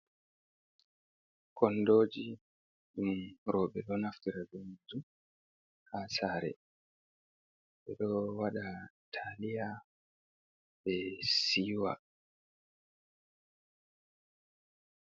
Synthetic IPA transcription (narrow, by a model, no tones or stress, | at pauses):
kʰɔndoːd͡ʒi | ɗumɾɔɓɛɗɔnaftiɾad͡ʒunzu | hasaːɾɛ̰ | ɓɛɗɔwaɗatʰalija | ɓɛsiːwa̰